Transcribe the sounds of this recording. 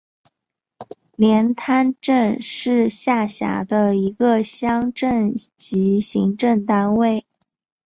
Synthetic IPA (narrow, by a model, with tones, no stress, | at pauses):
ljɛ˧˥nt̪ʰa˥nʈ͡ʂə˥˧nʂɻ̩˥˧ɕja˥˩ɕja̰˧˥d̪ə˧i˧˥ɡə˧ɕjɑ˥ŋʈ͡ʂə˥˩nt͡ɕi˧˥ɕi˧˥ŋʈ͡ʂə˥˧˩ŋt̪a˥nwe˥˩ɪ